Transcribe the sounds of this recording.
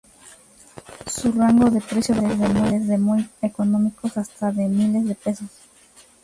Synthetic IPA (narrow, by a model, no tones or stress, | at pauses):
suraŋɡoðepɾesjoβezðemolezðemojekonõmikosast̪aðemilezðepesos